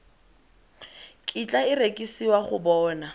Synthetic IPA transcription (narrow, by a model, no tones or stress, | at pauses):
kʼit͡ɬʼaɪrekʼisiwaχʊ̰bɔːna